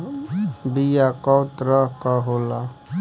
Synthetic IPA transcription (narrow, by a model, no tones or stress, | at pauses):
bijakɔːt̪ɾəɦkəɦoːla